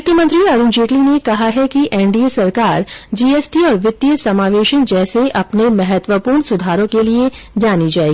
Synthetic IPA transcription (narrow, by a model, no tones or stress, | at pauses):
mʊk̪jəmə̃nt̪ɾiɐɾʊ̃nd͡ʒeːʈlinekɐɦaɦɛkiʔɛːɳɖiesɐɾkaːɾd͡ʒiːeːsʈiɔːɾʋɪt̪ːijəsɐmaːʋeːʃənd͡ʒɛːseʔɐpnemɐɦət̪wəpuːɾɳsʊd̪ʱaːɾõkelied͡ʒaːnid͡ʒaːeːɡiiː